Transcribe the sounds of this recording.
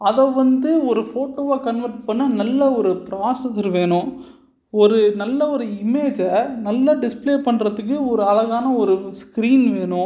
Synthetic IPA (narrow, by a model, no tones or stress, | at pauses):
ɐðɐʋɐnd̪ɯɔɾɯfoːʈoːʋakɐnʋɐɾʈpɐɳːɯnɐlːɐɔɾɯpɪɾaːsɐsɾʋeːɳʊ̃ | ɔɾɯnɐlːɐɔɾɯɪmeːd͡ʒɐnɐlːɐɖɪspleːpɐɳːɾɐðɯk̬ːɯɔɾɯɐɭɐɣaːnɐɔɾɯskɪɾiːnʋeːɳʊ̃